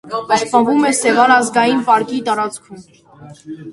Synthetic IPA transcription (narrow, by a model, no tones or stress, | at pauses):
ɑspɑvumɛsɛvɑnɑzɡɑjinpɑɾkit̪ɑɾɑt͡skʰum